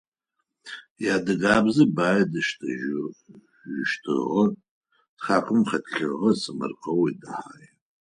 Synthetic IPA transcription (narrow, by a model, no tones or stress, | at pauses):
jaːdɨɡaːbzɐbaːjɐdɨʃtʰɨ̰ʒ | ʒʷɪʃtʰɨ̰ʁɐ | d̥χaːqʰʼɨmχɐtɬɨʁɐsɨmɐ̰rqʼɐwidɨħa̰ːj